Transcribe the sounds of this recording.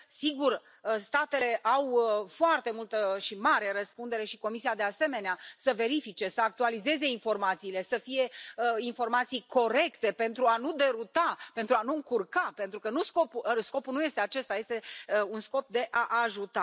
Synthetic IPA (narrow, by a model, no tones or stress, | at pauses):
siɡur | əst̪at̪e̞le̞ʔawfoart̪e̞mult̪əʃimaɾe̞ɾəspund̪e̞ɾe̞ʃiko̞misiad̪e̞ase̞me̞neasəve̞ɾifit͡ʃe̞səak̚t̪ualize̞ze̞info̞rmat̪siːle̞səfije̞info̞rmat̪sijko̞ɾe̞kt̪e̞pe̞nt̪ɾuanud̪e̞ɾut̪ape̞nt̪ɾuanuɨŋkurkape̞nt̪ɾukənusko̞pusko̞pulnuje̞st̪e̞at͡ʃe̞st̪aje̞st̪e̞unsko̞p̚d̪e̞ʔaʔaʒut̪a